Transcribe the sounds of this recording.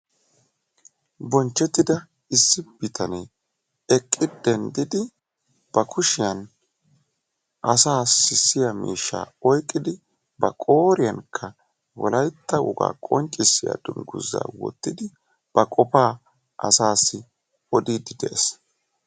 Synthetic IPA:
bɔnt͡ʃːɛt̪ːɪd̪ɐ | ɪsːɪb̥ɪt̪ʰɐneː | ɛkʼːɪd̪ɛnd̪ɪd̪ɪ | b̥ɐkʰʊʃɪjɐn | ʔɐsaːsɪsːɪjɐmḭːʃːa̰ːɔjkʼːɪd̪ɪ | bɐ̰kʼoːɾɪjɐnkʰːɐ | wɔ̰lɐjt̪ːɐʊ̰ɡa̰ːkʼɔnt͡ʃʼːɪsːɪja̰d̪ʊnɡʊ̰zːa̰ːwɔ̰t̪ːɪd̪ɪ | b̥ɐkʼɔpaː | ʔɐ̰saːsːɪ | ɔd̪iːd̪ɪd̪ɛʔːs

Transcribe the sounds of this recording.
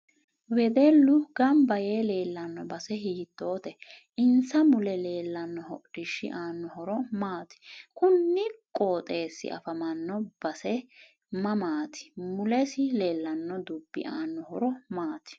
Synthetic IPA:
wɛd̪ɛlːʊɡɐmbɐjeːle̞ːlːɐnːɔbɐsɛɦiːt̪ːo̞ːt̪ɛ | ʔɪnsɐmʊlɛle̞ːlːɐnːɔhɔʔɪʃːɪ̰ʔaːnːɔhɔɾɔmaːt̪ɪ̥kʊnːɪkʼoːt̪ʼe̞ːsːɪ̰ʔɐ̰fɐmɐnːɔb̥ɐsɛ | mɐmaːt̪ʰɪ̥mʊlɛsɪle̞ːlːɐnːɔd̪ʊbːɪ̰ʔaːnːɔhɔɾɔmaːt̪ɪ̥

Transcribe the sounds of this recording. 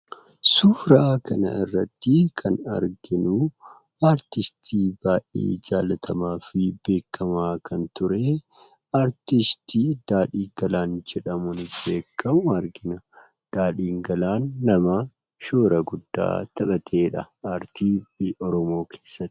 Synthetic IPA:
suːɾakʰɐnɐ̰ɪrːɐt̪ːɪkʰɐnɐ̰ɾɡɪnʊ | aːɾt̪ɪst̪ʰiːb̥aːʔḛːd͡ʒaːlɐt̪ʰɐmaːfɪbe̞ːkʰːɐmaːkɐnt̪ʊɾeː | aːɾt̪ɪst̪iːd̪̥aːᶑiːɡɐlaːnd͡ʒɛᶑɐmʊnbe̞ːkʰːɐmʊɐɾɡɪnɐ | d̪̥aːᶑiːŋɡɐlaːnːɐma | ʃoːɾɐɡʊd̪ːa̰ːt̪ɐɓɐt̪ʰe̞ːᶑɐ | aːɾt̪iːʔɔɾɔmo̞ːkʰeːsːɐt̪ːɪ̥

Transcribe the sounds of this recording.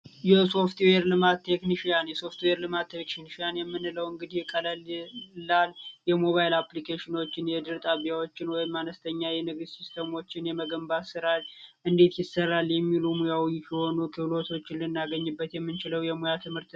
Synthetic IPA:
jɛso̞ft̪weɾlɨmat̪ːe̞kniʃijanjɛso̞ft̪weɾlɨmat̪ʰːekniʃijanjɛmːɨnɨləwɨŋɡɨd̪ijɛkʼːələllːaljɛmo̞βajilaplikʰeʃɪno̞t͡ʃːɪnjɛd̪ɨɾt̪ʼaβijawo̞t͡ʃːɪnwɔjɪmːanəst̪ʰəɲːajɛnɨɡɨsist̪ʰemo̞t͡ʃːɪnjɛməɡəmbasɨɾaɾʔɨnd̪e̞t̪jɪsərːaljɛmːilumujawijsiho̞nukʰɨlo̞t̪ʰo̞t͡ʃːɪnlɨnːaɡəɲːɨbːət̪jɛmːɨnt͡ʃɪləwjɛmujat̪ʰɨmhɨɾt̪

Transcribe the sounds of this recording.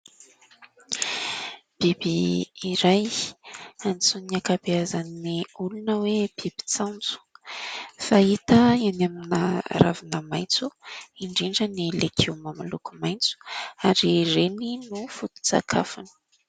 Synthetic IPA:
b̥ibiːɾaj | ant͡suniakapeazanːiulunəwebibi̥t͡sant͡su̥ | fait̪əianaminəɾa̰vinəmajnt͡suiɳɖ͡ʐiɳɖ͡ʐənilekʰewmamalukumajnt͡su̥aɾireninufut̪u̥t͡sa̰kʰa̰fani̥

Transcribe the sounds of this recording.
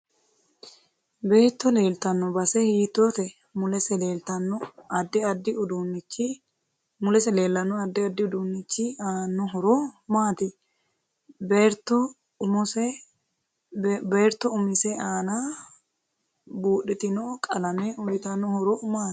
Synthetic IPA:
be̞ːt̪ːɔle̞ːlt̪ɐnːɔbɐsɛhiːt̪ːoːt̪ɛ | mʊlɛsɛleːlt̪ɐnːɔɐd̪ɪɐd̪ːɪʊd̪unːɪt͡ʃːɪ | mʊlɛsɛle̞ːlːɐnːɔɐd̪ːɪɐd̪ːɪʊd̪unːɪt͡ʃːɪaːnːɔɦɔɾɔmaːt̪ɪ | beɾt̪ːɔ | ʊmɔsɛ | beːɾt̪ːɔʊmɪsɛʔaːna | buːɗɪt̪ɪnɔkʼɐlɐmɛʊjɪt̪ɐnːɔhɔɾɔmaː

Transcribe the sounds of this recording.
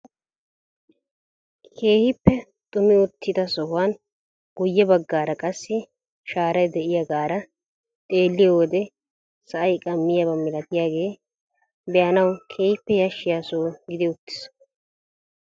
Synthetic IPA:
kʰe̞ːhɪpːɛ | t̪ʼʊmɪʊt̪ːɪd̪ɐsɔhʊwaːn | ɡ̥ʊjːɛbɐɡːaːɾɐkʼɐsːɪ | ʃaːɾɐjd̪ɛʔɪjɐɡaːɾɐ | t̪ʼe̞ːlːɪjwɔd̪ɛ | sɐʔɐjkʼɐmːɪjɐbɐmɪlɐt̪ɪjaːɡe̞ː | bɛjɐnɐwkʰe̞ːhɪpːɛjɐʃːɪjaːsoːɡɪd̪ɪʊt̪ːɪ̥s

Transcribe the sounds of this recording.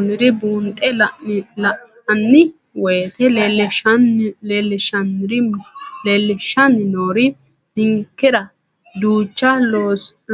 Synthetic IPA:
nɪɾɪbuːnt̪ʼːɛlɐʔ | ɐnːɪ | wɔjt̪ɛ | eːlːɛʃɐnːɪɾɪleːlːɛʃɐnɪnoːɾɪ | dɪŋkːɛɾɐ | d̪uːt͡ʃːɐ

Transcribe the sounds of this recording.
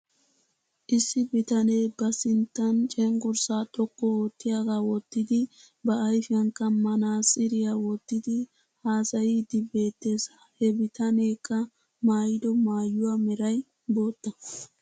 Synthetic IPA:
ʔɪsːɪbɪt̪ɐne̞ːbɐsɪnt̪ːɐnt͡ʃʼɛŋɡʊɾsaːt̪ʼɔkːɔot̪ːɪjaːɡaːwɔt̪ːɪd̪ɪ | bɐːjfɪjɐŋkːɐmɐnaːsʼɪɾɪjawɔt̪ːɪd̪ɪ | haːsɐjɪd̪ɪbe̞ːt̪ːeːsɐhɛbɪt̪ʰɐne̞ːkʰːɐ | maːjɪd̪ɔmaːjːʊwaːmɛɾɐj | bo̞ːt̪ːɐ

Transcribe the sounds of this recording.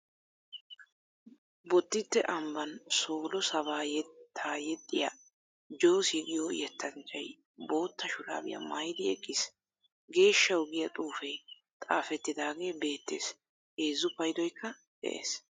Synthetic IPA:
bɔt̪ːɪt̪ːɛʔɐmbɐnso̞ːlɔsɐβaːjɛt̪ʰːaːjɛt̪ʼːɪja̰ | d͡ʒo̞ːsɛɡɪjojɛt̪ːɐnt͡ʃʼːɐj | bo̞ːt̪ːɐʃʊɾa̰ːbɪjɐ̰mɐjd̪ɪɛkʼːɪs | ɡe̞ːʃːɐwɡɪjɐt̪ʼuːfɐj | t̪ʼaːfɛt̪ːɪd̪aːɡe̞ːbe̞ːt̪ːe̞̰ːs | eːzːʊpɐjd̪ɔjkʰːɐ | d̪̥ɛ̰ʔḛːs

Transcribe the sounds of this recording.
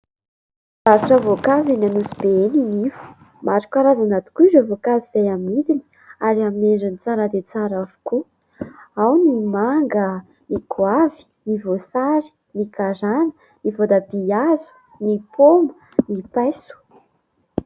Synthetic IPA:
zaɾuʈ͡ʂavokazinanusubeeninivu̥ | maʈ͡ʂu̥kʲaɾazanat̪u̥kuizavokazizajamid̪ini̥ | aɾiamineɖ͡ʐənit͡saɾad̪et͡saɾavu̥ku | awnimaŋɡə | nikwavi̥nivosaɾi̥ | nikaɾanə̥ | nivod̪abiazu̥ | nipʰomə | nipajsu̥

